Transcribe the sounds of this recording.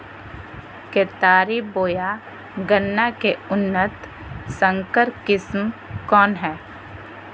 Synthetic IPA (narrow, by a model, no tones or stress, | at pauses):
keːt̪aːɾiboːja | ɡənːakeʊnːət̪ | sə̃ŋkəɾkɪsmkɔːnɦɛː